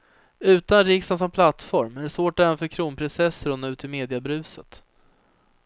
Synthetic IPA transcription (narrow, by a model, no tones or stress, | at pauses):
ʉ̟ːt̪anɾɪksans̬ɔmpʰlat̪ːfɔɾmæɖɛsvoːʈæːɾanfœɾkʰɾuːnpʰɾɪnsɛsːəɾʊnːaʉ̟ːt̪ɪmeːd̪ɪabɾʉ̟ːsət̪